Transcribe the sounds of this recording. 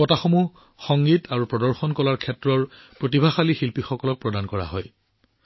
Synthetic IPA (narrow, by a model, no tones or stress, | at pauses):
ɔtaxomu | xɔŋɡitaɹupɹɔdɔɹxɔnkɔlaɹkʰɛtɹɔɹ | pɹot̬ibʱaxalixilpixɔkɔlɔk̚pɹɔdankɔɹa̰ɦɔ̰j